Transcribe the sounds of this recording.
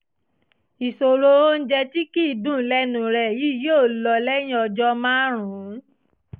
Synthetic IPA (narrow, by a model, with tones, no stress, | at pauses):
i˨so˧ɾo˧o˦n̩˦d͡ʒɛ˧ti˦ki˦˨dũ˦˨˦lɛ˦nũ˨ɾɛ˨ji˨˦joː˦˨lɔ˧lɛ˦j̃ĩ˦ɔ˧d͡ʒɔ˧mãː˦ɾ̃ũ˨˦